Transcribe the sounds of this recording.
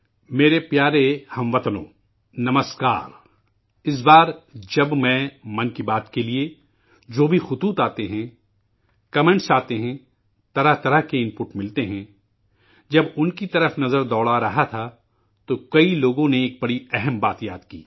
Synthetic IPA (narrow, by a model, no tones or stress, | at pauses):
meːɾepjaːɾehɐ̃mʋɐt̪lõ̰ː | nɐməska̰ːɾ | ɪs̬baːɾd͡ʒɐbmɛ̃ːmɐ̃nkibaːt̪kelie | d͡ʒoːbʱixʊt̪uːt̪aːt̪eɦɛ̃ | kɐmɛ̃ɳʈsaːt̪eɦɛ̃ | t̪ɐɾəɦt̪ɐɾəɦkeɪ̃mpʊʈmɪlt̪eɦɛ̃ | d͡ʒɐbʊnkit̪ɐɾəfnɐzəɾd̪ɔːɽaɾɐɦat̪ʰa | t̪okɐiloːɡõneːk̚bɐɽiɛɦɛmbaːt̪jaːd̪kḭː